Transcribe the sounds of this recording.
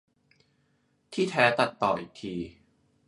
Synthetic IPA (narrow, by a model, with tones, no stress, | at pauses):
t̪ʰiː˥˩t̪ʰɛː˨˦˥t̪a˨˩t̪ːɔː˨˩ʔiː˨˩k̚t̪ʰiː˧